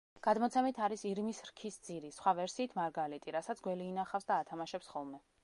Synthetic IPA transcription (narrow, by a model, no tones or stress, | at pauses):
ɡ̥ad̪mɔt̪sʰɛmit̪ʰaɾisiɾmisɾkʰisd̪z̥iɾisχwavɛɾsiːt̪ʰmaɾɡalit̪ʼiɾasat̪sɡwɛliːnaχafsd̪aːt̪ʰamaʃɛpsχɔlˠmɛ